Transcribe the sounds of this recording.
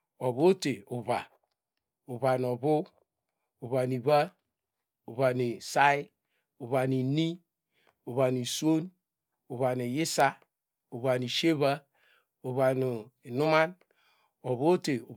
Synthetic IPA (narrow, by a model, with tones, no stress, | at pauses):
o˨βo˦te˨u˨βa˨ | u˨βa˨n˨o˨βu˦ | u˨βa˨ni˨βa˦ | u˨βa˨ni˨sa˦i˦ | u˨βa˨ni˨ni˦ | u˨βa˨ni˨sʷo˦n | u˨βa˨ni˨ji˦sa˦ | u˨βa˨ni˨ʃe˦βa˦ | u˨βa˨nu˨i˨nu˦ma˦n | o˨βo˦te˨u˨